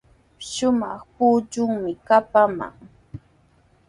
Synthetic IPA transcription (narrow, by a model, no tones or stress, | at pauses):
ʃʊmɑχpuːt͡ʃʊŋmɪkapama̰ŋ